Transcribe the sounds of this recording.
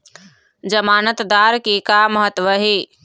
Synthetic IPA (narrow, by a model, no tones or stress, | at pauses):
d͡ʒəmaːnət̪d̪aːɾkikaməɦət̪ʋəɦeː